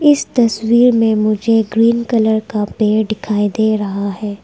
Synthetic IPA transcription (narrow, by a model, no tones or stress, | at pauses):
ɪst̪ɐswiːɾmẽmʊd͡ʒʱed͡ʒɡɾiːnkɐləɾkapeːɾɖɪkʰaːid̪eːɾɐɦaɦɛː